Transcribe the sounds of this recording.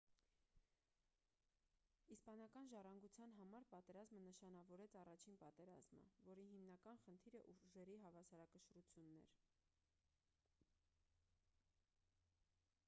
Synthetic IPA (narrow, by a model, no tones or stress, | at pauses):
ispɑnɑkɑnʒɑrɑŋɡut͡sʰjɑnɦɑmɑɾpɑt̪ɛɾɑzmənəʃɑn̪ɑvɔɾɛt͡sʰɑrɑt͡ʃʰinpɑt̪ɛɾɑ̰zmə̰vɔɾiɦimnɑkɑnχənt̪ʰiɾəʔuʒɛɾiɦɑvɑsɑɾɑkəʃɾut͡sʰjunːɛ̰ɾ